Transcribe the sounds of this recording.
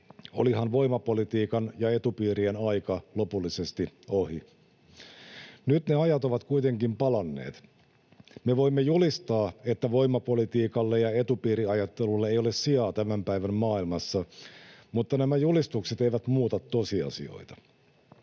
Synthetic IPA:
o̰liɦɑnʋo̞imɑpo̞lit̪iːkɑnjɑe̞t̪upiːɾienɑjkɑlo̞pulːise̞st̪io̞hi | nyt̪ne̞ɑjɑt̪o̞ʋɑt̪kuit̪e̞ŋkimpɑlɑnːḛːt̪ | meʋo̞imːejulist̪ɑːe̞t̪ːæʋo̞imːɑpo̞lit̪iːkɑlːejɑe̞t̪upiːɾiɑjɑt̪ːe̞lulːeejo̞lessiɑːt̪æmæmpæiʋæmmɑːilmɑsːɑmut̪ːɑnæmæjulist̪ukset̪eiʋæt̪muːt̪ɑt̪ːo̞siɑ̰sḭo̞̰jt̪ɑ̥

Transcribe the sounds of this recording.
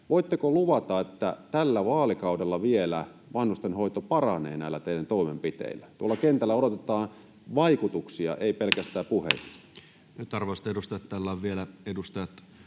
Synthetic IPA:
ʋoit̪ːekoluʋɑt̪ɑet̪ːæ̰t̪ælːæʋɑːlikɑudelːɑʋielæ | ʋɑnhust̪enhoit̪opɑrɑnḛːnæˑilːæt̪eidænt̪oˑimempit̪ḛˑilːæt̪uolːˑɑkent̪ælːæodot̪et̪ɑːn | ʋɑikut̪uksiɑ̰ʔeipelkæst̪æːpuhḛt̪i̥ | nyt̪ɑrʋost̪edust̪ɑjɑt̪t̪ælːæːʋʋielæedust̪ɑjɑt̪

